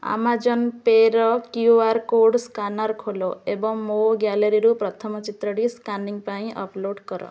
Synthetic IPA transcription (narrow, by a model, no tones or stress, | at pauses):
a̰mad͡ʒɔnpeɾɔkjuaɾkoɖskanaɾkʰolɔebɔŋmoɡjaleɾiɾupɾɔt̪ʰɔmɔt͡ʃit̪ɾɔɽiskanɖiŋpaĩʔɔ̰ploɖkɔɾɔ̰